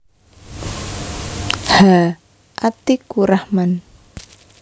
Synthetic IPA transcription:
ha | ʔat̪ikuɾahman

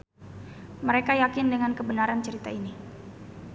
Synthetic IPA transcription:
məɾekajakɪndəŋankəbənaɾant͡ʃəɾit̪aini

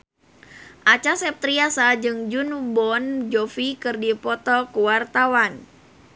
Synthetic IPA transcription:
ʔat͡ʃasɛp̚t̪ɾiasad͡ʒɨŋd͡ʒunbɔnd͡ʒofikɨrdipɔt̪ɔkuwart̪awan

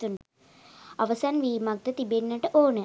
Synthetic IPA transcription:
t̪unɖ | aʋəsanʋiːmak̚d̪ət̪ibenːəʈəʔoːnə

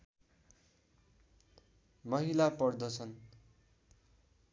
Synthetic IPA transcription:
mʌɦilapʌrd̪ʌt͡sʰʌn

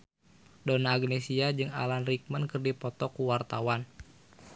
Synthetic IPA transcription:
donaːɡnesiad͡ʒɨŋa̰lanrik̚mənkɨrdipɔt̪ɔkuwart̪awan

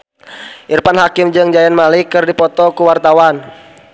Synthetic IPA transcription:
ʔirpanɦakɪmd͡ʒɨŋd͡ʒajɛnmalikɨrdipɔt̪ɔkuwart̪awan

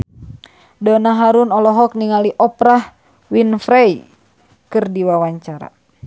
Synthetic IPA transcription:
dɔnaɦaɾunɔlɔɦɔk̚niŋaliʔɔpɾah | winfɾaj | kɨrdiwawaɲt͡ʃaɾa̰

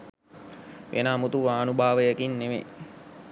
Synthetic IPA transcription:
ʋʔḛnaːmut̪uʋaːnubʱaːʋəjəkinːemḛ

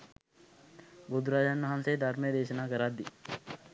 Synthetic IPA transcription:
bud̪uɾaːd͡ʒanːɐɦansejd̪ʱaɾməjəd̪eːʃənaːkəɾad̪ːi

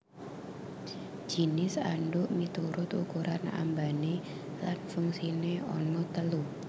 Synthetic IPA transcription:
d͡ʒ̥i̤nɪsa̰ɳɖʊʔmit̪uɾʊt̪ukuɾʔana̰mbane | lanfuŋsineɔ̰nɔt̪əlu

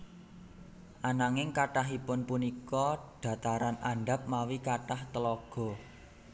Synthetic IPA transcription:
ʔanaŋɪŋkaʈaɦipʊnpunikɔɖ̥ä̤t̪aɾanaɳɖa̤p̚mawikaʈaht̪əlɔɡ̥ɔ̤

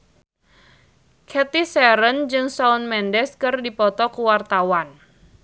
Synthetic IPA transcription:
kʰɛt̪isɛɾənd͡ʒɨŋsaunmɛndɛskɨrdipɔt̪ɔkuwart̪awan

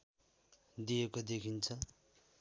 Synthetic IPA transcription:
d̪ijekod̪ekʰint͡sʰʌ

